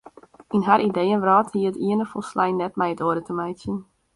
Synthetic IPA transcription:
inɦaɾʔidejənʋrɔːthiəətiənəfɔlˠslɛjnːɛtmɛjətoədətʰəmɛjsjən

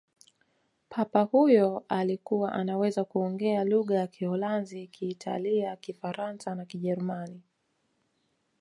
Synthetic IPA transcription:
pʰapahujɔalikuwaʔanawɛzakuɔŋɡɛaluɠajakihɔlanzikʰiːtʰa̰liakifaɾansanakiʄɛɾumani

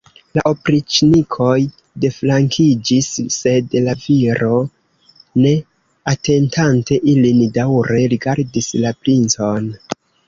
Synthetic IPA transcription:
laʔopɾit͡ʃnikʰo̞j | de̞flaŋkʰid͡ʒisːe̞dlaviɾo̞ | ne̞ | ate̞ntʰante̞ʔilindawɾe̞ɾiɡaɾdislapɾint͡so̞n

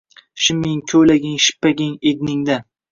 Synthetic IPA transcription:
ʃɪmɪŋkʲʰɵlaɡʲɪŋʃɪ̥pːaɡʲɪŋed̪nɪŋd̪a

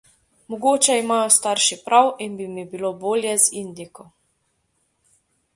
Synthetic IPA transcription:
mɔɡoːt͡ʃɛimaːjɔst̪aɾʃipɾʔawinbimibiloboːljɛzind̪ikɔ

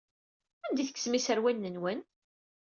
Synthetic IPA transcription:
ænd̪iθəkːsmisəɾwænːənwən

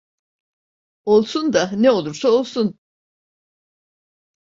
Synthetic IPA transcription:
o̞lˠsund̪aneo̞lˠuɾsao̞lˠsun

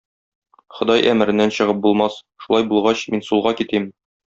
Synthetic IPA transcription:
χŏd̪ɑjʔæ̰mɘ̆ɾɘ̆nːænɕɤ̆ʁɤp̚bulˠmɑs | ʃulˠɑjbulˠʁɑɕminsulˠʁɑkit̪im

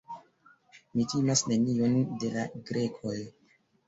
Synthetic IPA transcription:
mitimasne̞nio̞nde̞laɡɾe̞kʰo̞j

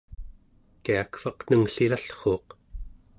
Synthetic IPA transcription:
kiakfɑqnəŋɬilaɬχo̞ːq

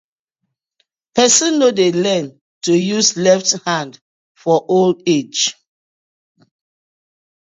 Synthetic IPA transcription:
pɛsə̃nːodelɛ̃n | tujuslɛfthãnd | fɔʔolded͡ʒ

